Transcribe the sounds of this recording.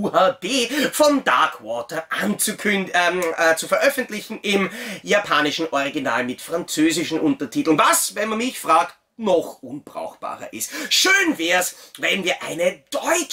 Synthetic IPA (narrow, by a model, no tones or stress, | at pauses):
uːhaːbeːfɔmda̰ɐkʰwɔːtɐʔant͡sukʰʏnː | t͡sufɐʔœfəntlɪçn̩ʔɪmjapʰaːnɪʃn̩ʔɔʁiɡina̰ːlmɪtfʁ̥ant͡søːzɪʃn̩ʔʊntɐtʰiːtl̩nvasvɛnmanmɪçfʁaːkt̚ | nɔχʔʊnb̥ʁa̰ʊxb̥a̰ːʁɐ̰ʔɪstʃøːnvɛːɐsvɛnviːɐʔa̰ɪnəd̥ɔʏt͡ʃ